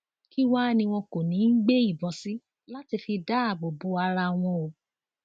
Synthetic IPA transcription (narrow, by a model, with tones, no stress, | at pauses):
ki˦wa˦˨nĩ˧w̃ɔ̃˧ko˨nĩ˨˦n̩˦ɡ͡be˦i˦˨bɔ˨si˦ | la˦ti˧fi˧da˦a˦˨bo˨bo˨˦a˧ɾa˧w̃ɔ̃˧o˨